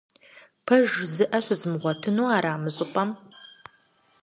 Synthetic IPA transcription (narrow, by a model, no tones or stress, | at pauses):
pʰɐʒzɨʔɐɕʷɨzmɨʁʷɔtʰɨnuːaːɾaːmɨɕʼɨpʼɐm